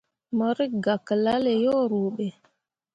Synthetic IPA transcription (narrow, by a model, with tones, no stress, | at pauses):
mɔ˨ɾi˦ɡa˨kə˨la˦le˨jɔ˦ɾo˨ɓɛ˨